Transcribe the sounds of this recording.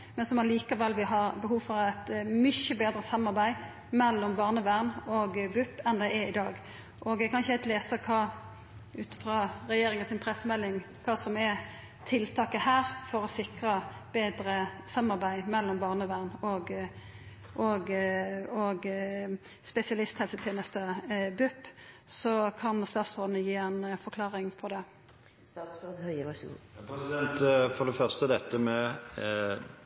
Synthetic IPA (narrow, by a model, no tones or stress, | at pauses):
mɛnsɔmɑliːkɑʋɛlʋɪɦɑɾbəɦuːfɔɾæt̪mʏçəbeːd̪ɾəsɑmːɑɾbæɪ | mɛlːɔmbɑːʁnəʋæʁnɔɡbʉpːɛnd̪ɛɪæɪd̪ɑːɡ | ʔɔɡ̪ɛkʰɑnɪçəæɪt̪leːsəkʰɑː | ʉːt̪ə̥fɾɑɾɛjeːɾɪŋənsɪnpʰɾɛsəmɛlːɪŋ | kʰɑːsɔmɛ | t̪ʰɪlt̪ʰɑːkəhæːɾfɔɾɔsɪkɾɑb̥eːd̪ɾəsɑmːɑʁbæɪmɛlːɔmbɑːʁnəʋæʁnɔɡ | ʔɔɡ | ɔɡ | spɛsɪɑlɪst̪hɛlsət̪ʰjeːnəst̪əbʉpːsɔkʰɑnst̪ɑːt̪sʁoːd̪ənəjiːɛnfɔɾkʰlɑːʁɪŋpʰɔd̪ɛ | shœ̰ | pʰɾɛsɪd̪ɛnt̪fɔd̪ɛfœʁst̪əd̪ɛt̪ːəmɛ